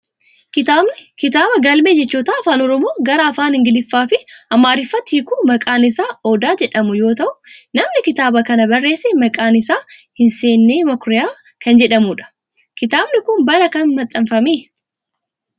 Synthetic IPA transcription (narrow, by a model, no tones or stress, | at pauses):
kɪt̪aːbnɪkɪt̪aːbɐɡɐlmeːd͡ʒɛt͡ʃːuːt̪aːɐfaːnɔɾɔmoːɡɐɾɐɐfaːnhɪŋɡɪlɪfːaːfɪɐmːaːɾɪfːɐt̪ːiːkuːmɐkʼaːnɪsaːʔoːd̪aːd͡ʒɛᶑɐmʊjo̞ːt̪ɐʔʊnɐmnɪkɪt̪aːbɐkɐnɐbɐrːe̞ːsɛmɐkʼaːnɪsaːhɪnse̞ːnːeːmɐkɾɪjaː | kɐnd͡ʒɛᶑɐmuːᶑɐ̥ | kɪt̪aːbnɪkʊnbɐɾɐkɐnmɐt̪ʼːɐnfɐmiː